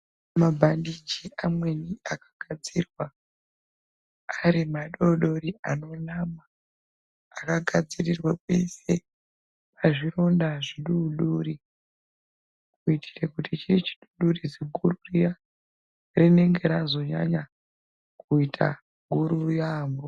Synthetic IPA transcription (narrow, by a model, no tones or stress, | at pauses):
mabʱandid͡ʒiamwe̞niakḁɡʱad͡zirwa | ɾimaɗoɗoɾiano̞namaː | kaɡʱad͡zirirwake̞se̞ | paʐiro̞ndaʐiɗuɗuɾi | kuitʰi̥rekutit͡ʃit͡ʃi̥ɗuɗurid͡zeɡʱururija | rine̞ŋɡe̞ɾazo̞ɲa̰ɲa | kuitʰa̰ | ɡʱuɾurjaːmbo